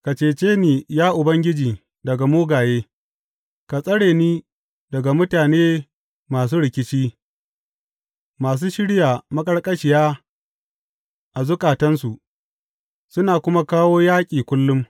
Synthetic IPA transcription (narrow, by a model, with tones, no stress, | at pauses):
ka˨t͡ʃeː˨t͡ʃeː˦niː˨jaː˦ʔʊ˨bɐ˦ŋɡʲɪ˦d͡ʒiː˨ | dɐ˨ɡa˨moː˦ɡaː˨jeː˦ | ka˨sʼɐ˦ɽeː˨niː˦ | dɐ˨ɡa˨mʊ˦taː˨neː˦ | maː˨s̬uː˦ɽɪ˨kʲɪ˦t͡ʃiː˦ | maː˨s̬uː˦ʃɪ˦ɽjaː˨mɐ˦kʼɐ˦ɽkʼɐ˦ʃɪ˨jaː˦ | ʔa˨zʊ˦kʼaː˨tɐ˦nsu˨ʔ | sʊ˦naː˨kʷʊ˦ma˦kaː˦woː˦jaː˦kʲʼiː˨kʷʊ˦lːʊ˦m